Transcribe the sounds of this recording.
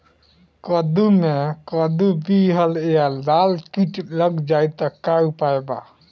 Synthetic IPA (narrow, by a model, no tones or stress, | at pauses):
kɔd̪umekɔd̪ubiɦəlejalalkiʈləɡd͡ʒajt̪ɔkaupaeba̰